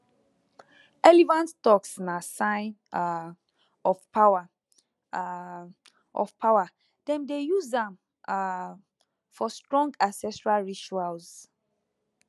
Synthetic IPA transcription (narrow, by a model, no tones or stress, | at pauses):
ɛlivãnttɔksnasãɪ̃n | ɔfpawa | ʔɔ̰fpʰawa | d̥ɛ̃mdejuzdãm | fɔstɹɔ̃ŋɡasɛsɹalɹit͡ʃualz